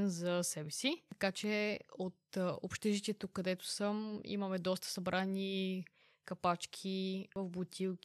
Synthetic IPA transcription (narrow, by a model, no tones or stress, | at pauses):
nzɐsɛbɛsiɐkat͡ʃɛot̪o̰pʃt̪ɛʒit̪ʲɛt̪ukːɐd̪ɛt̪ʊ̥səmḭmɐmɛd̪ɔst̪ə̥sɐbɾʔani | kɐpat͡ʃk̟ʰivɐfbot̪ʲʰilˠk